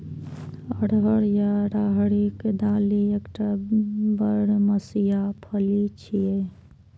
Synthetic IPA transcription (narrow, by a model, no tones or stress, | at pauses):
əɽɦəɽjaɾaɦɽikd̪aːliekʈabəɽməsijapʰəlit͡ʃʰie